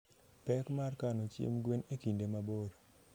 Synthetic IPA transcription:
pɛkmarkanot͡ʃḛmɡwenekindemaboɾ

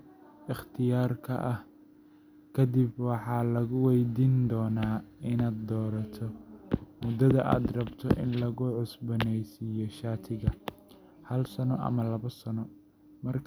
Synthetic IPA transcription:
ɪχt̪ʰɪjaːrkʰɐ̰ʔɐh | kʰɐd̪ibwɑħɑːlɐɣʊwɛjd̪iːnd̪ɔːnaːɪnaːd̪̚d̪ɔːɾɐt̪ʰɔmʊd̪ɐðɐʔa̰ːd̪rɐbt̪ʰɔ̰ʔɪ̰nlɐɣʊʕʊsbɐnɛjsɪjɔʃaːt̪ʰɪɣɐ | hɐlsɐnɔʔɐ̰mɐlɐβɐsɐnɔ | mɐrk

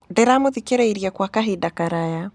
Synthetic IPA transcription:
ndɛɾamoðikeɾɛiɾijakwakaɦidakaɾaja

